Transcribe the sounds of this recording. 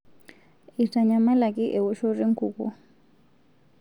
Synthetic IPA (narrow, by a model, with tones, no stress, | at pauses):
i˨tʼa˨ɲa˨ma˦la˨kʼɪ˦ʔɛ˨wɔ˦ʃo˦ri˦ŋ̩˦kʰṵː˨kʼṵ˦